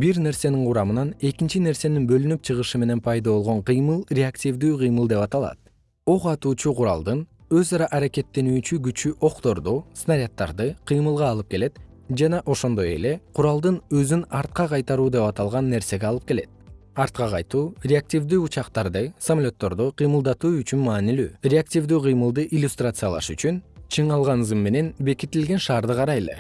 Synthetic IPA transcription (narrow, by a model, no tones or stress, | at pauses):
biɾne̞ɾse̞niŋquɾɑmɯnɑne̞kint͡ʃine̞ɾse̞ninbø̞lynypt͡ʃʰɯʁɯʃɯme̞ne̞npʰɑjd̪aβo̞lˠʁo̞ɴqʰɯjmɯlˠrʲeaktʲivd̪yːqɯjmɯlˠd̪e̞pɑt̪ɑlˠɑ̰t̪̚ | o̞ʁɑt̪uːt͡ʃuqʰʊɾɑ̰lˠd̪ɯn | ø̞zɑɾɑʔaɾake̞t̪ːe̞nyːt͡ʃyɡyt͡ʃyʔo̞qt̪o̞ɾd̪usnaɾʲat̪ːɑ̰ɾd̪ɯqʰɯjmɯlˠʁɑːlˠɯp̚ke̞le̞t̪ | d͡ʒɑnɑʔo̞ʃo̞nd̪o̞je̞̰le̞qʰuɾɑlˠd̪ɯnø̞zynɑɾt̪̚qɑqʰɑjt̪ɑɾuːd̪e̞pɑt̪ɑlˠʁɑnːe̞ɾse̞ɡeɑlˠɯp̚ke̞le̞̰t̪̚ɑɾt̪̚qɑqɑjt̪uːrʲeak̚tʲivd̪yːut͡ʃɑqt̪ɑɾd̪ɯsɐmalʲo̞t̪ːo̞ɾd̪uqʰɯjmɯlˠd̪ɑt̪uːyt͡ʃynmɑːnily̰ːrʲeak̚tʲivd̪yːqʰɯjmɯlˠd̪ɯʔilʲːust̪rat̪sɨjalˠɑ̰ʃyt͡ʃynt͡ʃʰɯɴɑlˠʁɑnɯzɯmːe̞ne̞nbe̞kit̪ːilɡe̞nʃɑːɾd̪ɯqɑɾɑjlˠḛ